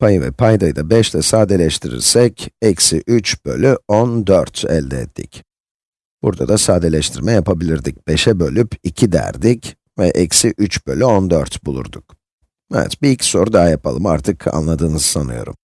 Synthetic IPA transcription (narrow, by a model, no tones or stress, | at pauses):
pʰajɯvɛ̰pʰajd̪ajd̪abɛʃt̪ʰɛsaːd̪elʲɛʃt̪ʰiɾḭɾsɛcɛcsiʔyt͡ʃb̥ø̞̰lʲyond̪øɾt̪ɛ̰lʲd̪ɛɛt̪ʰːḭc | b̥uɾd̪a̰d̪asaːd̪elʲɛʃt̪ʰiɾmɛjapʰabilʲiɾd̪ic̚b̥e̞ʃɛbø̞lʲypicʰid̪æ̰ɾd̪ic | vɛʔɛcsiʔyt͡ʃbø̞lʲyond̪øɾt̪bulˠṵɾd̪uk | ɛvɛ̰t̪biilʲcso̞ɾud̪aɦajapalˠɯma̰ɾt̪ʰɯkʰa̰nlˠad̪ɯːnɯzsanɯ̰jo̞̰ɾṵm